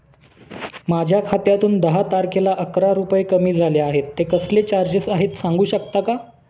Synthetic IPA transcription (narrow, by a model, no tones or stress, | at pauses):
mad͡ʑʱjakʰat̪jat̪uːnd̪əɦat̪aɾkelaʔəkɾaɾupəekəmiːd͡zʱaljeaɦet̪ːekəslet͡ɕaɾd͡ʑesaɦet̪sãŋɡuːɕəkt̪aka